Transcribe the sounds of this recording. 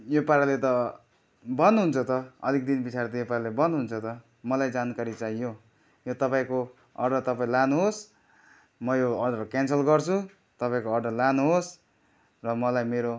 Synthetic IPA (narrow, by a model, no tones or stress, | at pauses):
jopaɾalet̪ʌ | bʌnuɦunt͡sʰʌt̪ʌʌ̰lik̚d̪inbit͡sʰaɾt̪ʌjopaɾalebʌnuɦunt͡sʰʌt̪ʌ | mʌlajd͡zankaɾit͡saijo | jot̪ʌpaĩko | ʌrɖʌrt̪ʌpaĩlanuɦos | mʌjoʌrɖʌrkansʌlɡʌrt͡sʰu | t̪ʌpaĩkoːrɖʌrlanuɦos | rʌmʌlajmeɾo